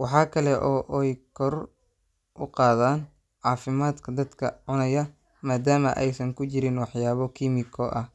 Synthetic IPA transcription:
wɑħɑːkʰɐlɛʔɔːʔɛjkʰɔr | ʔʊqɑːðaːn | ʕɑːfɪmaːd̪kʰɐd̪ɐd̪kʰɐʕʊnɐjɐ | maːd̪aːmɐ̰ʔɛjsɐŋkʰʊt͡ʃɪɾɪnwɑħjaːβɔkʰimɪkʰɔʔɐh

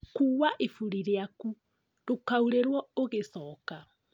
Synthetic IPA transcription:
kuːwaʔefuɾiɾeaku | dokauɾeɾwɔoɣesɔːka

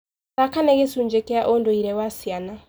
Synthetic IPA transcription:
akanɛɣesuɲd͡ʒekeaʔondoiɾɛwasiana

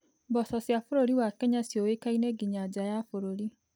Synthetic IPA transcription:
bɔsɔsjafoɾoɾiwakɛɲasjowekaineɡiɲad͡ʒajafoɾoɾi

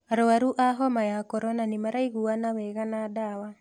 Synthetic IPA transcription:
aɾoaɾuʔaɦɔmajakɔɾɔnanimaɾaiɣuanawɛɣanadawa

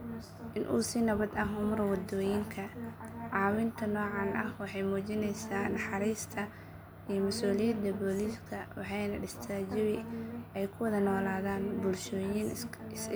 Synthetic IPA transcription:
ʔɪnʔṵːsɪnɐβɐd̪ɐɦʊmɾɐwɑd̪ɔːjɪŋkʰɐʕɑːwɪnt̪ʰɐnɔːʕɑnʔɐhwɑħɑjmuːt͡ʃɪnɛjsaːnɐħɑɾiːst̪ʰɐ | ijɞmɐsuːlɪjɐd̪ɐbɔliːskʰɐwɑħɑjnɐɖɪst̪ʰaːd͡ʒɪβɪʔɛjkʰʊwɐðɐnɔːlaːðaːnbʊlʃɔːjɪn

